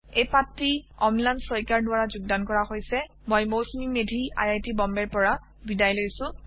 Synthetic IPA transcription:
ejpatːiɔmlajnsɔjkaɹdʊwaɹazʊɡ̚dankɔɹaxojsɛ | mojmowsmimedʱia̰jajtibɔmbɛɹpɔɹa | bidajlojsʊ̃

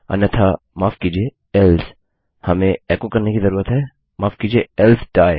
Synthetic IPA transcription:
ɐ̰nɐt̪ʰa | maːfkiːd͡ʒie | ɛlz | hɐmẽɛːkokɐɾnekizɐɾuːɾət̪ɦɛː | maːfkiːd͡ʒieɛlzɖaːe

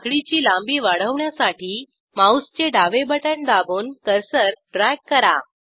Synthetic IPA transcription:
kɭit͡ɕiːlãmbiːʋaɽ̤əʋɳjasaʈiː | maust͡ɕeɖaʋebəʈəɳd̪abuːnkəɾsəɾɖɾajkːəɾa̰

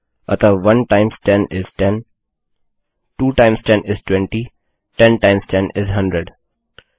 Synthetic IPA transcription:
ʌt̪ʰəʋʌ̃nʈãɪ̃msʈɛ̃nɪzʈɛ̃n | ʈuːʈãɪ̃msʈɛ̃nɪzʈwɛ̃ɳʈi | ʈɛ̃nʈãɪ̃msʈɛ̃nʔɪzɦʌ̃ɳɖɾeɖ

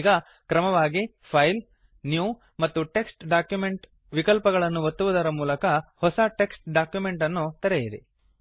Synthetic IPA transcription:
ɡɐ | kɾɐmɐʋaːɡi | pʰɐjl | njuː | mɐt̪ːuʈe̞ksʈɖaːkjume̞ɳʈ | ʋikɐlpɐɡɐɭɐnːuʋɐt̪ːuʋud̪ɐɾɐmuːlɐkɐhɔsɐʈe̞ksʈ̚ɖaːkjumeɳʈɐnːut̪ɐɾɛjiɾḛ

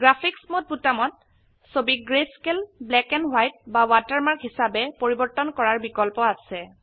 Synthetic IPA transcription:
ɡɹapʰiksmot̚butamɔt | sobiɡɹeskelblɛkɛnɦwajt̚bawataɹmaɹkɦisabɛpoɹibɔɹtɔnkɔɹaɹbikɔlpɔasɛ

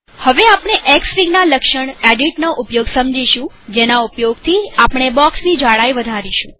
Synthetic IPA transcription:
həʋeapɳ̃eʔeksfiŋɡnaləkʃəɳeɖiʈnoʔupjoɡsəmd͡ʒiʃũ | d͡ʒenaupjoɡt̪ʰiapɳ̃ebɔksnid͡ʒaɽajʋəd̪ʱaɾiʃṵ̃

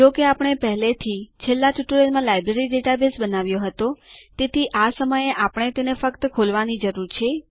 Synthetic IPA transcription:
d͡ʒokeapɳ̃epəɦlet̪ʰit͡ʃʰelːaʈuʈulemãlajbɾeɾiɖeʈabesbənaʋjoɦət̪ot̪et̪ʰiʔasəməjeʔapɽ̃et̪enefəkt̪kʰolʋanid͡ʒəɾuɾt͡ʃʰe

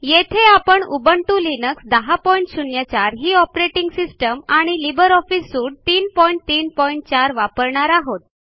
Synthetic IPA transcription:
jet̪ʰeapəɳubəɳʈulinəksd̪əɦapɔiɳʈɕunjat͡ɕaɾɦiːɔpɾeʈiŋɡsisʈəmaɽ̃ilibəɾɔfisːuːɽ̚t̪iːnpɔjiɳʈ̚t̪iːn̚pɔiɳʈ̚t͡ɕaɾʋapəɾɳaɾaɦot̪̚

